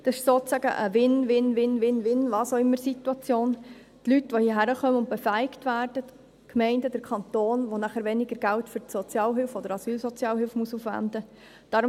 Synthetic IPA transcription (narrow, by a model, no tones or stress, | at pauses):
d̥ɑsɪ̥ʃsoːt͡sæɡə̰ʔə̰ʋɪnʋɪnʋɪnʋɪnʋɪnʋɑːsoɪmːəɾsituɑt͡sjoːn | tlytʋohiːɦæɾəχœməʊnt̪̚b̥efæɪɪktʋæːrd̥ət | kmɛɪndəd̥əɾkʰɑnt̪oːnʋonæχəɾʋɛnɪɡəɾɡæltfʏɾtsot͡sjɑːlɦɪlfɔd̥əɾɑsyːlsot͡sjɑːlɦɪlfmuəsufʋæ̰nd̪ə | d̥ɑːɾʊ